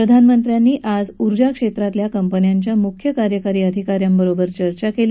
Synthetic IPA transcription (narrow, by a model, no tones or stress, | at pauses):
ɾəd̪ʱanmənt̪ɾjanːiːʔad͡zuɾd͡ʑakʂet̪ɾat̪ljakəmpənjaɲt͡ɕjamukʰjəkaɾjəkaɾiːəd̪ʱikaɾjambəɾobəɾt͡ɕəɾt͡ɕakel